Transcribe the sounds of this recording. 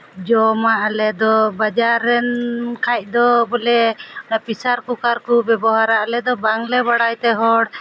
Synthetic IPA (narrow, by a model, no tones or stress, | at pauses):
d͡ʒɔmaʔalɛd̪ɔbad͡ʒaɾːɛnkʰac̚ˀd̪ɔbɔlɛnapisaɾkukaɾkubɛbɔɦaɾaʔalɛd̪ɔbaŋlɛβaɽajt̪ɛɦɔɽ